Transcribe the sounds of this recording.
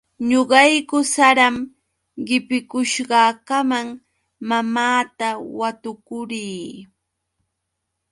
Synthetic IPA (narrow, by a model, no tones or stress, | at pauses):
ɲoɢɑjkʊsaɾam | ɢɪpɪkʊʃɢɑːkamaŋ | mamaːt̪awat̪ʊkʊɾiː